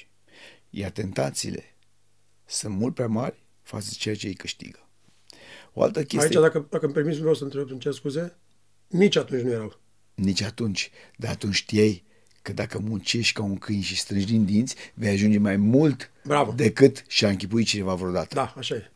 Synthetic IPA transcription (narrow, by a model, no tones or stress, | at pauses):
jart̪e̞nt̪at̪sḭːle̞̰ | sɨnt̪mult̪̚pɾʲamarʲ | fa̰sd̪et͡ʃejat͡ʃejkɨʃt̪ḭɡə | o̞a̰lt̪əkʲeaijt͡ʃːad̪akəd̪akəmpe̞ɾmit̪s̬vewsəɨnt̪ɾeb̚t̪ɨnt͡ʃeskuze̞ | nit͡ʃʲat̪unt͡ʃʲnuje̞ɾaw | nit͡ʃʲat̪unt͡ʃʲd̪aat̪unt͡ʃʲt̪iaj | kəd̪akəmunt͡ʃe̞ʃt̪ʲkauŋkɨnʃist̪ɾɨnʒʲd̪ind̪int̪sʲve̞jaʒund͡ʒe̞majmult̪bɾavəd̪e̞kɨt̪ʃiaɨŋkʲipuit̪̚t͡ʃine̞vavɾo̞d̪at̪əd̪aaʃaje